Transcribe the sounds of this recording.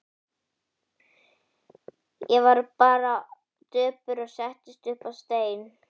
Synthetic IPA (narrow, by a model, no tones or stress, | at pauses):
jɛvaɾpaːɾa | t̪œːpʏɾɔɣsɛht̪ɪst̪ʏhpavst̪eːjn